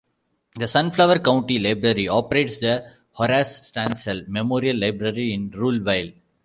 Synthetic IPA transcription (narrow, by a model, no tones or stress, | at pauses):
d̪əsʌ̃nflaʋəɾkãʊ̃ɳʈilaɪbɾəɾiɔːpəɾeːʈsd̪ə | hɔɾasːʈæ̃ːnsəlmemoːɾiəlːaɪbɾəɾiɪ̃nɾuːlʋaɪl